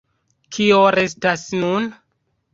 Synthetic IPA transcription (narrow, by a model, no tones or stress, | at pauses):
kʰioɾes̬tasnun